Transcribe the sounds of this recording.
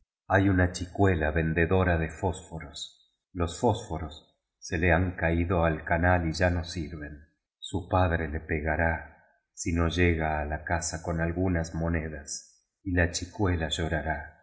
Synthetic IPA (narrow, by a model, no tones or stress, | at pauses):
ajunat͡ʃikwelaβe̞nd̪e̞ðo̞ɾaðefo̞sfoɾo̞s | lo̞sfo̞sfo̞ɾosː | e̞leaŋkaiðo̞alkanaliʒano̞siɾβe̞n | supaðɾe̞le̞peɣaɾa | sino̞ʒeɣaːlakasako̞nalɣunazmo̞ne̞ðas | ilat͡ʃikwe̞laʒo̞ɾaɾa